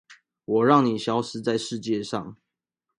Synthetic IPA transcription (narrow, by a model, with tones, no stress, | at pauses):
wɔ˨˩ɻɑ˥˨ŋni˨˩ɕjɑ˧˥ʊʂɻ̩˧˥t͡sa˥˧ɪʂɻ̩˥˧t͡ɕjɛ˥˨ʂɑ̰˥˨˩ŋ